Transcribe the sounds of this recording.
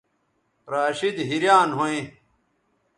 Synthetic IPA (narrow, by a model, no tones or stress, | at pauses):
ɾaːɕid̪ɦiɾjaːnɦoẽ